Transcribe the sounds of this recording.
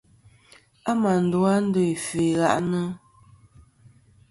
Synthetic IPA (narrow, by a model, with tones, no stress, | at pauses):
a˦ma˨n̩˨du˦a˦n̩˦do˦˨i˨fe˨ɣa̰˦ʔnə˦